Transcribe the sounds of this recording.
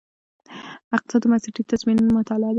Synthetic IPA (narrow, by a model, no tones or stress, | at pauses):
aq̪sad̪omasiʈit̪azminmʊt̪alɑd̪